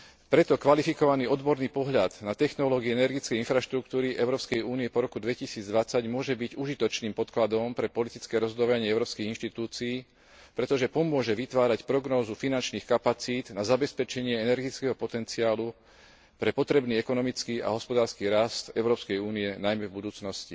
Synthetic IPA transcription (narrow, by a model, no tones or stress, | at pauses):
pɾɛt̪ɔkʋalifikɔʋaniːɔd̪bɔɾniːpɔɦʎad̪nat̪ɛxnɔlɔːɡiɛɛnɛɾɡit͡skɛjinfɾaʃt̪ɾuk̚t̪uːɾiʔɛʊɾɔːpskɛjuːniɛpɔɾɔkud̪ʋɛcisiːd͡zd̪ʋat͡saɟmʊɔʒɛbiɟuʒit̪ɔt͡ʃniːmpɔt̪klad̪ɔmpɾɛpɔlit̪it͡skɛɾɔzɦɔd̪ɔʋaɲɪɛɛʊɾɔːpskiːɣinʃt̪it̪uːt͡siː | pɾɛt̪ɔʒɛpɔmʊɔʒɛʋit̪ʋaːɾacpɾɔɡnɔːzufinant͡ʃniːxkapat͡siːd̪nazabɛspɛt͡ʃɛɲɪɛɛnɛɾɡit͡skɛɦɔpɔt̪ɛnt͡siaːlu | pɾɛpɔt̪ɾɛbniːɛkɔnɔmit͡skiːa̰ɦɔspɔd̪aːɾskiːɾast̪ɛʊɾɔːpskɛjuːniɛnajmɛvbud̪uːt͡snɔsci